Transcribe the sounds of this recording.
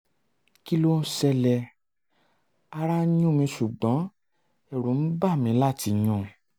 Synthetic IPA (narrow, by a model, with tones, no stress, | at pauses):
ki˦lo˦n̩˦sɛ˧lɛ˧ | a˦˧ɾa˦ɲũ˦mĩ˧ʃu˨ɡ͡bɔ̃˨˦ | ɛ˦˨ɾũ˨˦n̩˦ba˦˨mĩ˨˧˦la˦˨ti˧ɲũ˧˨